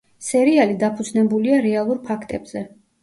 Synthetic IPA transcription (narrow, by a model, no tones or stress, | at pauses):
sɛɾialid̪apʰud̪znɛbuliaɾɛalˠuɾpʰakʰt̪ʼɛbz̥ɛ